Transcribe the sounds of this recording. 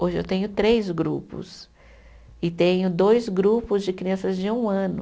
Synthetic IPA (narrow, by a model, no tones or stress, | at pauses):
oʒɪewt̪ẽɲʊt̪ɾezɡɾupʊ̰s | ɪt̪ẽɲʊd̪ojzɡɾupʊzd͡ʒɪkɾiɐ̃sɐzd͡ʒɪũɐ̃nʊ